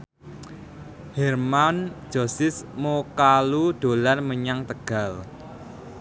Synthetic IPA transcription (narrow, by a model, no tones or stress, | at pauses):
hɛrman̥d͡ʒ̥o̤sɪsmokalud̪̥o̤larməɲaŋt̪əɡ̥a̤l